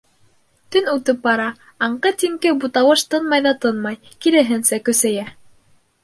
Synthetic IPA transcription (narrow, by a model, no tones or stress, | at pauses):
t̪ɵnut̪ɤp̚bɑɾɑ | ɑɴqɤt̪iŋkɘbut̪ɑwɤʃt̪ɤnmɑjðɑt̪ɤnmɑjkiɾɘ̆ɦɘnsækɵ̆sæjæ